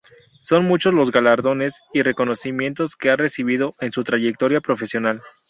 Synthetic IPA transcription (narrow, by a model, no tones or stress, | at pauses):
so̞nmut͡ʃo̞zlo̞zɣalaɾðo̞ne̞sire̞ko̞no̞simjẽ̞nt̪o̞ske̞are̞siβ̞ið̞o̞ʔe̞nsut̪ɾaʝe̞k̚t̪o̞ɾjapɾo̞fe̞sjo̞nal